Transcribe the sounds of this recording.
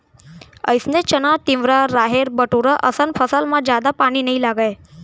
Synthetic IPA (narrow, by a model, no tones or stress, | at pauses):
ə̰jsnet͡ʃənat̪ɪ̃ʋʋɾaɾaɦeɾbəʈuɾaʔəsənpʰəsalmãd͡ʒad̪apaɽ̃inəĩlaɡaj